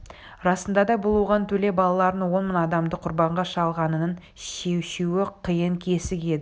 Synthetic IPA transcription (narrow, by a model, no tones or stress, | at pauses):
ɾɑsənd̪ɑd̪ɑbʊlˠwoʁɑnt̪ʰɵle̞bɑlˠɑlˠɑɾənwo̞nmənɑd̪ɑmd̪əqʰʊɾbɑɴʁɑʃɑlˠʁɑnənəɴ | ʃe̞wʃewɪqʰəjəŋkʲʰe̞sɪkʲe̞d̪ɪ